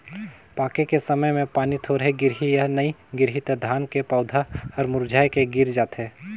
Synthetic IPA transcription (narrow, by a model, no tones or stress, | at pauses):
paːkekesɐməjmẽpaːnit̪ʰoːɾɦeɡɪɾɦijanɐiɡɪɾɦit̪d̪ʱaːnkepɔːʊd̪ʱahɐɾmʊɾd͡ʒʱaːjkeɡɪɾd͡ʒaːt̪ɦeː